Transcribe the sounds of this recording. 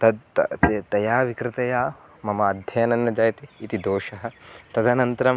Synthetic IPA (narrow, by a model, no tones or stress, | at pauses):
t̪ɐd̪t̪ɐjaːʋikɾɪt̪ɐjaː | mɐmɐːd̪ʱjɐjɐnɐnːɐd͡ʒaːjɐt̪iːt̪id̪oːʂɐɦɐ̆t̪ɐd̪ʱɐnɐnt̪ɐɾɐm